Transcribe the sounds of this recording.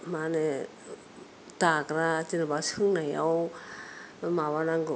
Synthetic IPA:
mane | t̪akɾat̪inabasɯŋnaja̰w | maβanaŋɡɯ

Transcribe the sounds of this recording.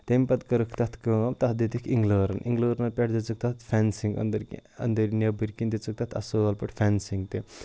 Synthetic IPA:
t̪emʲpɐt̪kɐɾɨkʰt̪ɐt̪ʰkəɐt̪ɐtd̪it̪ikʰiŋɡləːɾɐnʔḭŋɡləːɾnɐlpʲeʈʰd̪et͡sɨk̚t̪ʰɐt̪fʰʲɛnsiŋɡɐ̰nd̪ɐɾɐ̰nd̪əɾnʲɐbɨɾkind̪it͡sɨk̚t̪ɐt̪ʰɐ̰soɐlpɐʈʰfʰʲansiŋɡ̚t̪e

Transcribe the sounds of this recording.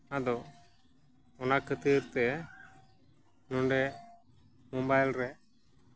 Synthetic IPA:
ad̪ɔ | ɔnakʰət̪əɾt̪ɛ | nɔɳɖɛ | mɔbajlɾɛ

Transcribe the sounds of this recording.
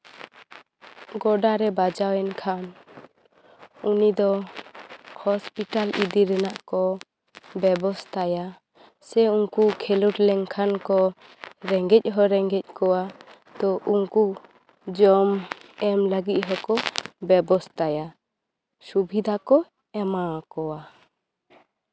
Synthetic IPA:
ɡɔɖaɾɛbad͡ʒawɛnkʰan | unid̪ɔ | hɔspiʈalid̪iɾɛnaʔkɔ | bɛbɔst̪aja | sɛuŋkukʰɛluʈlɛŋkʰankɔ | ɾɛŋɡɛc̚ˀɦɔɾɛŋɡɛc̚ˀkɔwa | t̪ɔʔuŋku | d͡ʒɔmɛmləɡit̪̚ˀɦɔkɔbɛbɔst̪aja | subʱid̪ʱakɔ | ɛmakɔwa

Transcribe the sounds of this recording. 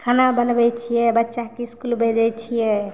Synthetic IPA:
kʰanabənbɛt͡ʃʰijɛbətːʃakeskulbʱed͡ʒɛt͡ʃʰijɛ

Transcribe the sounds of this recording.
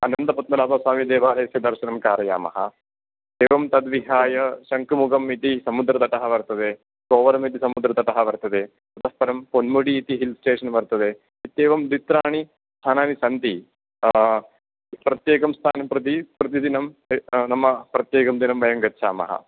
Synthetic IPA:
ɐnɐnd̪ɐpɐt̪ːmɐlaːpɐsaːmid̪eːʋaːleːsjɐd̪ɐɾʃɐnɐmkaːɾɐja̰ːmɐ̰ɦɐ̰ | d̪eːʋɐmt̪ɐd̪ʋiɦaːjɐʃɐŋkumuɡɐmit̪isɐmud̪ɾɐd̪ɐʈ̪ɐɦɐʋɐɾt̪ɐd̪e | koːʋɐɾɐmit̪isɐmud̪ɾɐt̪ɐʈ̪ɐɦɐʋɐɾt̪ɐd̪e | t̪ɐt̪ɐhpɐɾɐmponmuɽiːt̪iɦilsʈeːʂɐnbɐɾt̪ɐd̪e | it̪ːeːʋɐmd̪it̪ɾaːɳi | st̪ʰaːnaːnisɐnt̪i | pɾɐt̪jeːkɐmst̪ʰaːnɐmpɾɐt̪ipɾɐt̪̬id̪inɐmnɐmːɐpɾɐt̪jeːkɐmd̪inɐmbʱɐjɐmɡɐtːt͡ʃʰa̰ːmɐ̰ɦɐ̰

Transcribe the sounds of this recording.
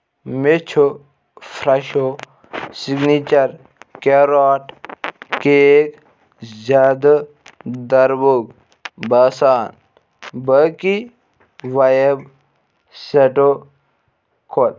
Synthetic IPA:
met͡ʃʰo | fɾɐʃo | siɡnit͡ʃɐɾ | keɾaːʈkek | zaːd̪ɐ | d̪ɐɾboɡ̚ | bɐsaːn | bəki | ʋɐjeb | seʈo | kʰot̪̚

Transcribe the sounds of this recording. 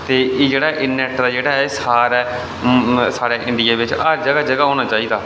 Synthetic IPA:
t̪eːʔeːd͡ʒeːɽaːʔɪnːɛʈd̪aːd͡ʒeːɽaːɛsaːɾɛː | saːɾeːʔɪ̃ɳɖɪjaːʋɪt͡ʃəɾd͡ʒəɡaːd͡ʒəɡaːɦoːɽ̃aːt͡ʃaːiːd̪aː

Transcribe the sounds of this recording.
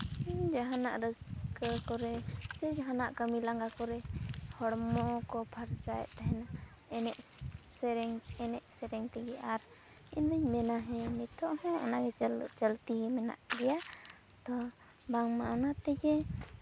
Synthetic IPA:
ind͡ʒaɦana̰ʔɾəskəkɔɾɛsɛd͡ʒaɦanaʔkəmilaŋɡakɔɾɛhɔɽmɔkɔpʰaɾt͡ʃajɛ̰ʔt̪aɦɛna | ɛnɛʔsɛɾɛŋɛnɛʔsɛɾɛŋt̪ɛɡɛʔaɾ | ind̪uɲmɛnaɦɛ̃mɛt̪ʰɔʔhɛ̃ɔ̰naɡɛt͡ʃəlt̪imɛna̰ʔɾɛja | t̪ɔ | baŋmaʔɔnat̪ɛɡɛ

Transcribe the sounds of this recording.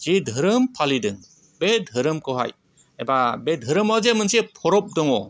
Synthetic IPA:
z̥idʱɯɾɯmpʰalidɯŋ | bedʱɯɾɯmkɯɦa̰j | ebabedʱɯɾɯmawzemɯnsepʰɔɾɔp̚dɔŋɔ

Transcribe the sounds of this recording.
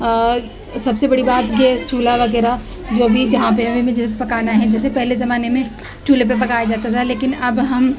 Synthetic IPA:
sɐbsebɐɽibaːt̪ɡeːst͡ʃʰuːlaʋɐɣɛːɾa | d͡ʒoːbʱid͡ʒɐɦãp̬eɦɐmẽmẽd͡ʒɛsepɐkaːnaɦɛ̃d͡ʒɛːsepɛɦlezɐmaːnemẽ | ʈuːlep̬ep̬ɐkaːjad͡ʒaːt̪at̪ʰaleːkɪnɐbɦɐm

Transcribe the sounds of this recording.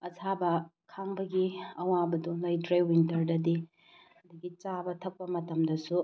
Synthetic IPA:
ɐsʰabɐkʰaŋbɐɡiɐwabɐduŋlajdɾewintɐɾdɐdi | ɐd̪uɡit͡ʃabɐtʰɐk̚pɐmɐtɐmdɐsu

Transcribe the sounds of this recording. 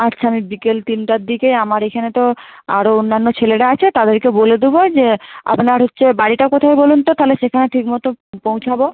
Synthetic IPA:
atːɕʰaamibikelt̪inʈad̪ikeamaɾekʰanet̪o | a̰ɾoonːanːot͡ɕʰeleʈaat͡ɕʰet̪ad̪eɾkeboled̪ubod͡ʑea̰pnaɾɦotːɕʰebaɽiʈakot̪ʰajbolunt̪ot̪aɦoleʃekʰaneʈʰikmɔt̪opõw̃t͡ɕʰabo

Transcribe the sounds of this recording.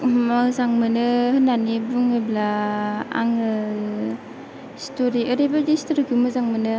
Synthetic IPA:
mazaŋmɯnɯhɯnanibuŋɯblaa̰ŋɯ | stoɾiɯɾibadistoɾikʰumɯzaŋmɯnɯ

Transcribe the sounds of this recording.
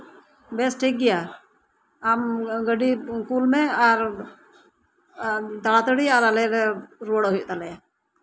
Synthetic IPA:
bɛsʈʰik̚ɡɛja | amɡəɖikulmɛ̃aɾ | t̪alat̪əɽiaɾalɛɾɛɾoɽɦʊjuʔt̪alɛja

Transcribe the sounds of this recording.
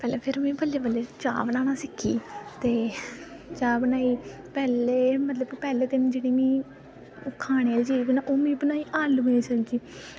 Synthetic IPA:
pɛːleːpʰɪɾmĩːpəleːbəlːeːt͡ʃa̰ːbənaːnãːsɪkʰḭːt̪eː | t͡ʃaːbənaːiː | pɛːleːmət̪ləbpɛːleːt̪ɪm̃ːd͡ʒeːɽiːmĩː | kʰaːɽeːld͡ʒiːbiːnãːʔoːmĩːbənaːiːʔaːlɡẽːt͡ʃəld͡ʒiː

